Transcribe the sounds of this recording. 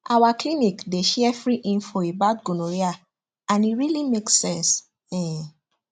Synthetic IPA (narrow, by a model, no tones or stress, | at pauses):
awaklinikdeʃɛɛfɹiʔĩnfɔebadɡũnoɹia | ãniɹilimeksɛ̃ns | ɛ̃